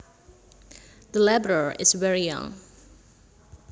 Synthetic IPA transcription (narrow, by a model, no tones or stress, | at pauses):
ðəlɛbɹəɹɪ̰svɛɹijʌ̰̃ŋ